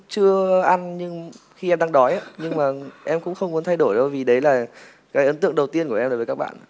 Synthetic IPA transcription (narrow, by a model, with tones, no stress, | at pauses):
t͡ɕɨ˧əʔa˧nɲɨ˧ŋ | xi˧ʔɛ˧mɗaː˧ŋɗɔ˨˦ja˨˦ɲɨ˧ŋmaː˨˩ʔɛ˧mkʊ̰˧˥ŋ͡mxə˧wŋ͡mmu˨˦ənt̪ʰa˧jɗo˧˩jɗə˧wvi˨˩ɗə˨˦jlaː˨˩ | kaː˨˦jʔə˨˦nt̪ɨ̰˧˨əŋɗə˨˩wt̪i˧ənku˧˩əʔɛ˧mɗo˨˦vːka˦˥ɓa̰ː˧˨n